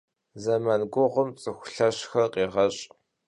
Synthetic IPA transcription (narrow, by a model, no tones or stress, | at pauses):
zɐmanɡʷʊʁʷʊmt͡sʼɨxʷʊɬɐɕxɐrqʼiːʁɐɕʼ